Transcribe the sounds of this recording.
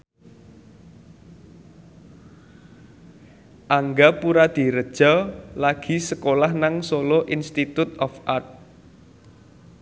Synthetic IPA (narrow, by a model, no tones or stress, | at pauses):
ʔaŋɡapuɾad̪̥i̤ɾəd̥ʒ̥ɔ̤laɡ̥i̤səkolahnaŋsoloʔinst̪it̪ut̪̚ɔfʔart̪̚